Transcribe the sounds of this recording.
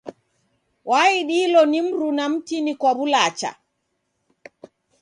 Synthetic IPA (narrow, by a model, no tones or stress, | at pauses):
waːjiɗiːlɔnimɾunamtinikabulaːt͡ʃa̰